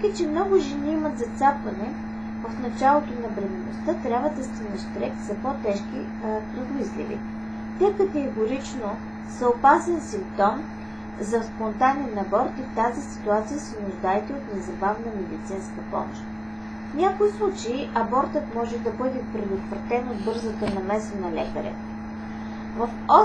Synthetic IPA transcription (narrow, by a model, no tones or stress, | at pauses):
kət͡ʃɛmnɔɡʊʒɛniːmɐt̪zɐt̪sapvɐnɛ | ɐfnɐt͡ʃalˠot̪onɐbɾɛmɛno̰st̪at̪ɾʲjabvəd̪ɐst̪inɛʃt̪ɾɛkt̪z̥ɐpot̪ɛʃk̟i | pɾɛd̪izlḭvḭ | t̪ʲɛkɐt̪ɛɡoɾit͡ʃno | sɐopasɛnsimp̚t̪ɔm | zɐspont̪anɛnɐbɔɾt̪ift̪azisi̥t̪uat̪sijəsɛnʊʒd̪aɛt̪ɛot̪nɛzɐbavnəmɛd̪it̪sinskəpɔ̰mo̰ʃt̪ | fnʲakoislˠut͡ʃɛiʔɐbɔɾt̪ət̪mɔʒɛd̪ɐbɤd̪ɛpɾɛd̪ot̪vɾɐt̪ɛnod̪̚bɤɾzət̪ənɐmɛsənɐlɛkəɾɛ̰ | vɐfɔ